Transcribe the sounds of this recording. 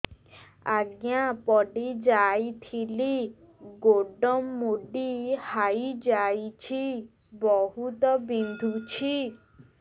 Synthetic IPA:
aɡjãpɔɖid͡ʒajt̪ʰili | ɡoɖɔmːuɖihajd͡ʒajt͡ʃʰi | bɔɦut̪ɔbind̪ʱut͡ʃʰi

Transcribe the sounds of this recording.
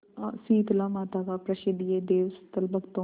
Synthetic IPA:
siːt̪laːmaːt̪aːkapɾɐʃed̪ijed̪eːʋst̪ɐlbɐɡt̪õ

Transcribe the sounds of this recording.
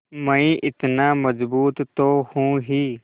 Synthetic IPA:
məĩːʔɪt̪naːməzbuːt̪t̪oːhũːɦiː

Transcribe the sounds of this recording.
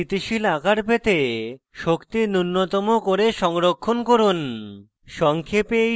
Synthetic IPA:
it̪iʃilaɡaɾpet̪e | ʃokt̪inunːot̪ɔmokoɾeʃɔŋɾokʰːonkoɾun | ʃɔŋkʰepe

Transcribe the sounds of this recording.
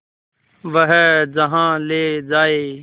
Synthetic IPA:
ʋəɦd͡ʒəɦãːleːd͡ʒaːeː

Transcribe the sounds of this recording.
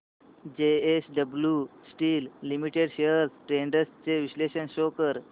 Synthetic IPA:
d͡ʑeesɖəbljusʈiːlːimiʈeɖɕeəɾsʈɾeɳɖəst͡seʋisleɕənɕokəɾ

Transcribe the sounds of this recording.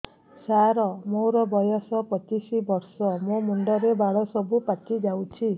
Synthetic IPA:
saɾɔmoɾɔbɔjɔsɔpɔt͡ʃisibɔɾsɔmomuɳɖɔɾebaɽ̤ɔsɔbupatid͡ʒawt͡ʃʰi

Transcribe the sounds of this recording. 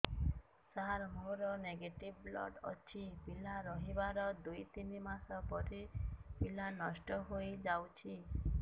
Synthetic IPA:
saɾmoɾɔneɡeʈibblɔ̰ɖɔ̰t͡ʃʰipilaɾɔɦibaɾɔd̪ujt̪inimasɔpɔʈipilanɔsʈɔɦojd͡ʒawt͡ʃʰi

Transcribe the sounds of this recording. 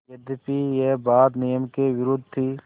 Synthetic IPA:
ed̪epiːjeːbaːd̪nijəmkeːʋɪɾʊd̪t̪ʰiː

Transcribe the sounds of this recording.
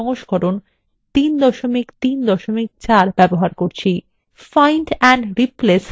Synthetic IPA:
ɔŋoʃkɔɾon | t̪ind̪ɔʃomikt̪ind̪ɔʃomik̚t͡ɕaɾbɛboɦaɾkoɾt͡ɕʰi | fajɳʈɛɳɖɾiples

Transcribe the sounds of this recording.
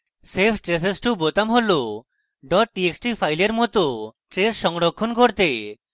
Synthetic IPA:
sepʰʈɾes̬esʈubot̪amɦolo | ɖɔʈ̚ʈieksʈipʰajleɾmɔt̪ɔʈɾesʃɔŋɽɔkʰːɔnkɔɾt̪e

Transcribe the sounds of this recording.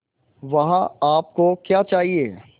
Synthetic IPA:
ʋɐɦãaːp̚kokjaːt͡ʃaːɦieː

